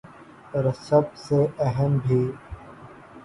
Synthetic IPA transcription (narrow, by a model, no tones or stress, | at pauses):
ɾɐsɐb̚seɐɦəmbʱiː